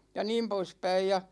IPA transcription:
jɑ niːm poispæij jɑ

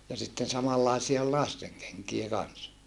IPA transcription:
jɑ sitːen sɑmɑlːɑˑesie ol lɑsteŋ keŋkie kɑns

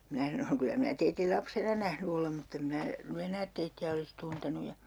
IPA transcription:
minæ sɑnoŋ kylæ minæ teitil lɑpsenɑ næhny olem mutː em mĭn̆æ ny enæːt teitːiæ olis tuntenu jɑ

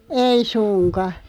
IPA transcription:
ei sunkɑ

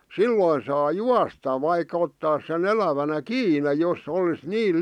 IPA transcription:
silːoin sɑː juɑstɑ ʋɑikɑ̥ otːɑːs sen elæʋænæ kiːne josˑ olis niːl

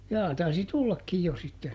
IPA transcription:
jɑː tɑisi tulːɑkːij jo sitːen

